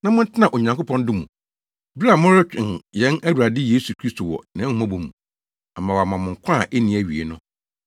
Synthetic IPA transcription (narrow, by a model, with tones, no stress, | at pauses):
nã˦mʊ̃˦n̩˦tʰɪ˦nã˨ʔo˨ɲã˨ŋko˦pʰɔ̃˦n˦dɪ˦mṵ̃˨ | bi˦ɾa˨mʊ̃˦ɾɪ˦t͡ɕᶣɪ˨n˨jɛ̃˦næ˦wu˨ɾa˨dɪ˦je˦su˨kʰɾi˦stʰo˨wɔ̰˨nã˨˦mã˦bo˨mṵ̃˨ | a˨mã˨wa˨mã˨mʊ̃˨ŋ̩˨kʷʰã˦˨ʔe˦nĩ˨æ˨ɥi˨ḛ˨nʊ̃˦